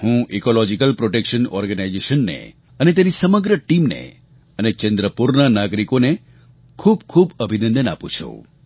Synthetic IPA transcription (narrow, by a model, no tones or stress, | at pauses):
hũikolɔd͡ʒikəlpɾoʈekʃənɔɾɡənajd͡ʒeʃənːḛ | ənet̪̬jeɾisəməɡɾəʈimnḛ | ənet͡ʃənd̪ɾəpuɾnanaɡɾikone | kʰub̚kʰubəbʱinə̃nd̪əna̰pṵ̃t͡ʃʰṵ̃